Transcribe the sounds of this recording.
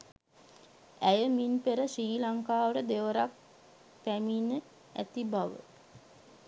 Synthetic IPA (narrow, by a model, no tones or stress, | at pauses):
æjəminpeɾəʂiːlaŋkaːʋəʈəd̪eʋəɾak̚ | pæminːə | æ̰t̪ibaʋə̰